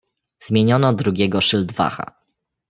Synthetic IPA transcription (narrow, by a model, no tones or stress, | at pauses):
zmʲjeɲɔnɔd̪ɾuɡʲjɛɡɔʂɘld̪va̰xa̰